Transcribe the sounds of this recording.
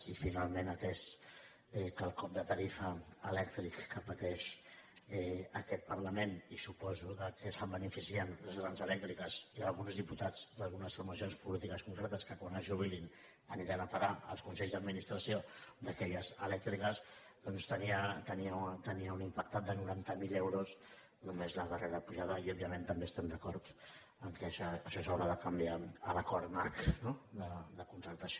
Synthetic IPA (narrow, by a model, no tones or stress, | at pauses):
ifinalˠmenət̪ɛs | ɛkəlˠkɔp̚d̪ət̪əɾifəːlɛk̚t̪ɾikːəpət̪ɛʃ | ɛəkɛt̪̚pəɾləmenisupɔzuðəkʰəsəmbənifisiənləzɣɾanzəlɛk̚t̪ɾikəzialˠɣunzðiput̪ad͡zd̪alˠɣunəsfuɾməsionspulit̪ikəskuŋkɾɛt̪əskəkwanəʒuβilin | əniɾinəpaɾaə̰lˠskunsɛʎzðəd̪minist̪ɾəsiod̪əkɛʎəzəlɛk̚t̪ɾikəs | d̪ɔnst̪əniət̪əniət̪əniəunimpak̚t̪at̪̚d̪ənuɾant̪əmilewɾus | numezləðəreɾəpuʒaðəiɔbjəmẽnt̪əmbeəst̪ɛmd̪əkɔɾt̪ | əmkɛʃəʃɔsawɾaðəkəmbiaələkɔɾt̪naɾknod̪əd̪əkunt̪ɾəlt̪əs